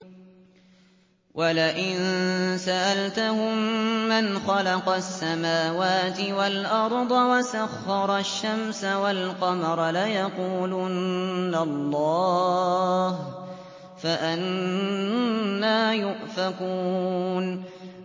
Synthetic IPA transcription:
wʔalaʔɪnsaʔalt̪ʊhʊmmːanxɑlɑqɑsːamaːwaːt̪ɪwalʔɑɾˤd̪ˤɑwasaxːɑɾˤɑʃːamsawalqɑmɑɾˤɑlajɑquːlunːalˤːɑː | h | faʔan | aːjʊʔfakuːn

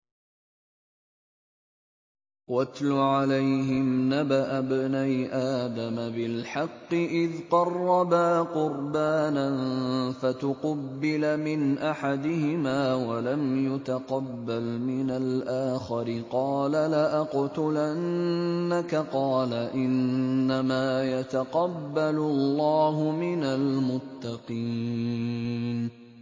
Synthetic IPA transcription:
wat̪lʊʕalajɦɪmnabaʔabnajʔaːd̪amabɪlħɑqːɨʔɪðqɑrˤːɑbaːqʊɾbaːnanfat̪ʊqɑbːɪlmɪnʔaħad̪ɪhɪmaːwalamjʊt̪aqɑbːalmɪnalʔaːxɑɾɪqɑːlalaʔaqʊt̪ʊlaː | akaqɑːlaʔɪnːamaːjat̪aqɑbːalʊlːɑːɦʊmɪnalmʊt̪ːɑqiː | n

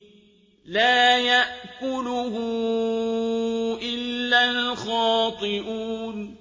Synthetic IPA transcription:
laːjaʔkʊlʊhʊ | ʔɪlːalxɑːt̪ˤɨʔuːn

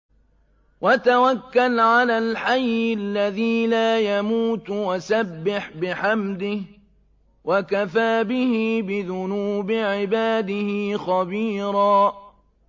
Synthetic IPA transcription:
wat̪awakːalʕalaːlħajːɪlːaðiːlaːjamuːt̪wasabːɪħbɪħamd̪ɪh | wakafaːbɪhɪbɪðʊnuːbʕɪbaːd̪ɪhɪxɑbiːɾaː

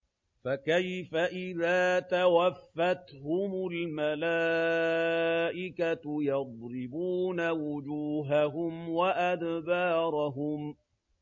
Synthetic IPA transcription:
fakajfaʔɪðaːt̪awafːat̪hʊmʊlmalaː | ʔɪkajɑd̪ˤɾɪbuːnawʊd͡ʒuːɦaɦʊmwaʔad̪bɑːɾˤɑɦʊm

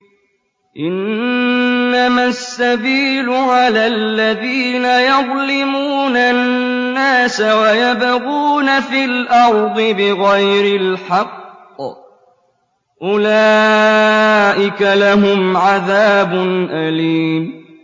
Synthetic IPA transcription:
ʔɪnː | amasːabiːlʊʕalaːlːaðiːnajɑðˤlɪmuːnanːaːsawajabaɣuːnafilʔɑɾˤd̪ˤɨbɪɣajɾɪlħɑqː | ʔʊlaː | ʔɪkalaɦʊmʕaðaːbʊnʔaliːm

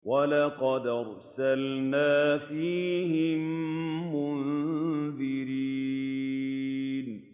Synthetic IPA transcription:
walɑqɑd̪ɑɾˤ | salnaːfiːɦɪmːʊn | ðɪɾiː | n

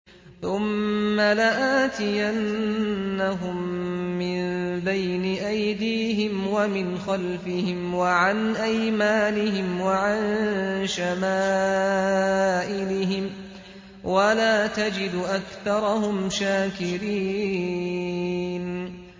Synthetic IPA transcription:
θʊmːalaʔaːt̪ɪjanː | aɦʊmːɪmnbajnɪʔajd̪iːɦɪmwamɪnxalfɪhɪmwaʕanʔajmaːnɪɦɪmwaʕanʃamaː | ʔɪlɪɦɪm | walaːt̪ad͡ʒɪd̪ʔakθɑɾˤɑhʊmʃaːkɪɾiː | n

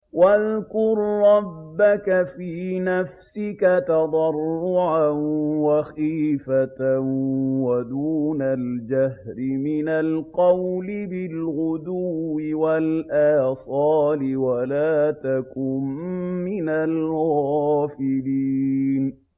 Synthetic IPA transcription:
waðkʊɾɾˤɑbːakafiːnafsɪkat̪ɑd̪ˤɑrˤːʊʕawaxiːfat̪awad̪uːnald͡ʒahɾɪmɪnalqɑwlɪbɪlɣʊd̪uːɪwalʔaːsˤɑːlɪwalaːt̪akʊmːɪnalɣaːfɪliːn

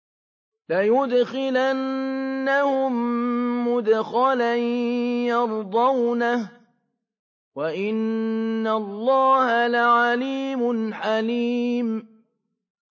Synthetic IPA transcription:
lajʊd̪xɪlanːahʊmː | ʊd̪xalanjɑɾˤd̪ˤɑwnah | waʔɪnːalˤːɑːhalaʕaliːmʊnħaliːm

